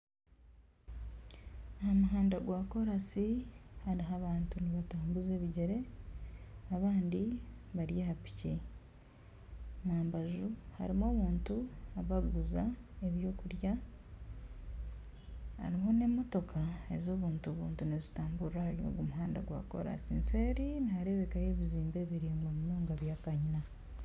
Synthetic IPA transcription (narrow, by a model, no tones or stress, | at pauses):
ahamuɦaːndaɡwaːko̞ɾasihaɾiɦaβaːntuniβataːmbuze̞ːβiɟeɾe̞ | aβaːndiβaɾjehapi̥ce | maːmbaʒuha̰ɾimoːβuːntuaβaɡuzaeβjo̞ːkuɾja | ha̰ɾimone̞mo̞to̞kʰae̞̰zo̞ːβuːntuβṵːntunezitaːmbuɾɾahaɾio̰ɡomuɦaːnda̰ɡwa̰ko̞̰ɾa̰siːnseːɾinihaɾe̞βe̞kaje̞βiziːmbe̞βiɾiːmwaβinoːŋɡaβjaːkaɲina